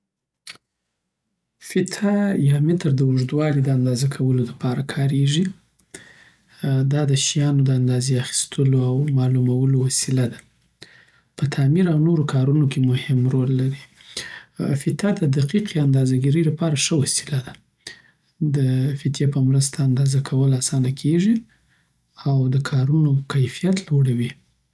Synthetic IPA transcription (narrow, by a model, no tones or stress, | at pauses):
fɪt̪ʰajɑmɪt̪ɾd̪əwʊʐd̪wɑlid̪əand̪ɑzakʰawəlolapɑɾakʰɑɾeʐi | d̪ɑd̪əʃijɑnod̪əand̪ɑzeaxi̥st̪ʰəloawmɑlumawəlowasilad̪a | pət̪ʰamiɾawnoɾokʰɑɾunokʰemʊhɪmɾolːaɾi | fɪt̪ad̪əd̪aqiqiand̪ɑzaɡiɾəjlapɑɾaʂəwasi̥lad̪a | d̪əfɪt̪jepəmɾəst̪ʰaːnd̪ɑzakʰawəlasɑnakʰeʐi | awd̪əkʰɑɾunokajfijat̪loɽawi